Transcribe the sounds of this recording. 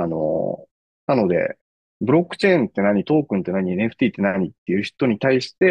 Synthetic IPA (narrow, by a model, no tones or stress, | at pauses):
ano̞̰ | nano̞d̪e̞̰ | bɯ̟ɾo̞kːɯ̟̥t͡ɕẽ̞ːnt̪ːe̞naɲ̟it̪o̞ːkɯ̟nt̪ːe̞naɲ̟ieneɸɯ̟̥t̪ʲiːt̪ːe̞naɲ̟it̪ːe̞jɯ̟ːçi̥t̪o̞ɲ̟it̪aiɕi̥t̪e̞